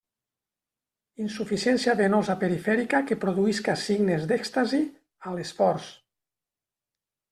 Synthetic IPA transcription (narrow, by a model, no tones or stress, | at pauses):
insufisjɛnsiaβenozapeɾifɛɾikakepɾoðuiskasiɡnezd̪ɛkst̪azi | alesfɔɾs